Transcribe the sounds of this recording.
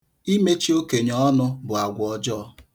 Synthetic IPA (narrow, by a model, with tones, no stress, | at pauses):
i˦me˦t͡ʃi˦o˦ke˨ɲɔ˦ɔ˦nʊ˦bʊ˨a˨ɡʷɔ˨d͡ʒɔ˦